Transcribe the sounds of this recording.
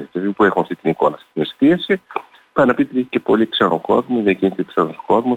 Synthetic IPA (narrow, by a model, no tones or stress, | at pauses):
t̪eipuexunɐft̪it̪iniko̞nɐft̪it̪inesi̥t̪iɐsi | pɐnɐpit̪iðiçi̥cepo̞liksɐno̰ko̞ðmoðiɐciniseksɐnosko̞ðmus